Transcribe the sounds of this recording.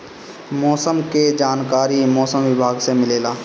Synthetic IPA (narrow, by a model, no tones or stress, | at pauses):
mɔːsəmked͡ʒaːnkaːɾimɔːsəmʋɪbʱaːɡsemɪleːlaː